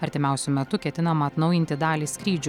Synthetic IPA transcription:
ɐɾʲt̪ʲɪmʲæˑʊsʲʊmʲɛt̪ʊkʲɛt̪ʲɪnɐmɐːt̪nɒʊjɪnʲt̪ʲɪd̪ɑːlʲiːskɾʲiːd͡ʒʲʊ

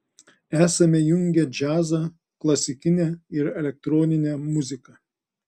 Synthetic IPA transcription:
æːsɐmʲɛjʊŋʲɡʲɛd͡ʒʲæːzɐ | klˠɐsʲɪkʲɪnʲɛˑɪɾɛlʲɛk̚t̪ɾɔːnʲɪnʲɛmʊzʲɪkɐ

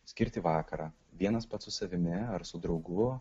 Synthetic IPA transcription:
sʲkʲɪɾʲt̪ʲɪʋɑːkɐɾɑː | ʋʲiɛnɐspɐt̪sʊsɐʋʲɪmʲɪɐɾsʊd̪ɾɒʊɡʊ

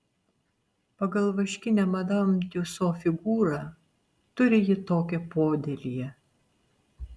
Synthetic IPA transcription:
pɐɡɐlˠʋɐʃʲkʲɪnʲɛmɐd̪ɐmʲt̪ʲusoːfʲɪɡuːɾɑː | t̪ʊɾʲɪjɪt̪oːkʲɛpoːd̪ʲelʲijɛ

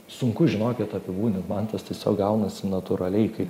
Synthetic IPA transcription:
sʊŋkʊʒʲɪnoːkʲɛt̪ɐpʲɪbuːnʲɪmɐnt̪ɐst̪ʲiɛsʲo̰ːk̚ɡɐʊnɐsʲɪnɐt̪ʊɾɐlʲɛɪkɐɪ

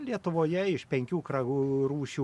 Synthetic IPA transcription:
lʲiɛt̪ʊʋoːjɛɪʃpʲɛŋʲkʲuːkɾɐɡuɾuːʃʲuː

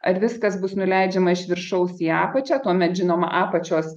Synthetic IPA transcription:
ɐɾʋʲɪskɐsbʊsnʊlʲɛɪd͡ʒʲɛmɐɪʃʲʋʲɪrʃɐʊsiːɑːpɐt͡ʃʲæːt̪uɔmʲɛt̪ʒʲɪnoːmɐ̰ʔɑːpɐt͡ʃʲoːs

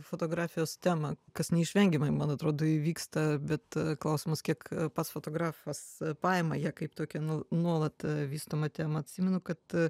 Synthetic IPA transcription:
foːt̪oːɡɾɑːfʲɪjoːst̪ʲæːmɐkɐsnʲɛɪʃʲʋʲɛŋʲɡʲɪmɐɪmɐnɐt̪ɾoːd̪oːɪʋʲiːkst̪ɐbʲɛt̪klˠɐʊsʲɪmɐskʲiɛkpɐt̪sfoːt̪oːɡɾɑːfɐspɑːjɛmɐjɛːkɐɪpt̪oːkʲɛnunuɔlˠɐt̪ʋʲiːst̪oːmɐt̪ʲæːmɐɐt̪ʲsʲimʲɛnʊkɐt̪

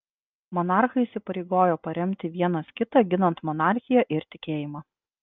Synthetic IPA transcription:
mɔnɑˑɾxɐɪiːsʲɪpɐɾʲeɪɡoːjoːpɐɾʲɛmʲt̪ʲɪʋʲiɛnɐskʲɪt̪ɑɡʲɪnɐnt̪mɔnɑˑɾʲxʲɪjɛʔɪɾt̪ʲɪkʲeːjɪmɑː

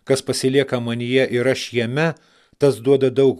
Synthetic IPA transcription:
kɐspɐsʲɪlʲiɛkɐmɐnʲɪjɛʔɪɾɐʃjɛmʲɛ | t̪ɐsd̪uɔd̪ɐd̪ɐʊk

